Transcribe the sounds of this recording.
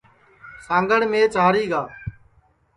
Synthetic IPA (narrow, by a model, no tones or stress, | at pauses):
sãːŋɡəɽmẽːt͡ʃaːɾiːɡaː